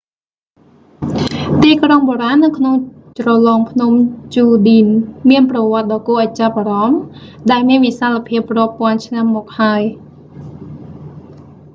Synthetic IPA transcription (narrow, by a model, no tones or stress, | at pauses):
t̪iːkroŋɓoːɾaːnːɨwkʰnoŋ | t͡ɕrɑlɑːŋpʰnumt͡ɕuːɗiːnmiənprɑʋŏət̪̚ɗɑːkoːʔat͡ɕapʔaːɾɑmɗaɛlmiənʋisalːapʰiəp̚roəpːŏənt͡ɕʰnamːɔːk̚haəj